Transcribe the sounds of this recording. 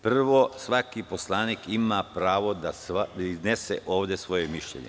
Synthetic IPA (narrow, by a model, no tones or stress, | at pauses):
pr̩ʋosʋakipo̞slˠaːniːkimapɾaːʋo̞d̪asaiznesḛʔo̞ːʋd̪e̞sʋo̞jemiʃʎḛɲḛ